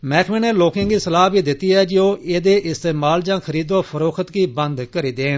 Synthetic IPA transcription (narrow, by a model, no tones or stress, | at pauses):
mɛːkʰmẽːneːloːkãːɡiːsəlaːɦbiːd̪ɪt̪ːiːɦɛːd͡ʒoːʔeːd̪eːʔɪst̪eːmaːld͡ʒãːkʰəɾiːd̪õːpʰəɾoːkʰət̪ɡiːbə̃nd̪kəɾiːd̪eːn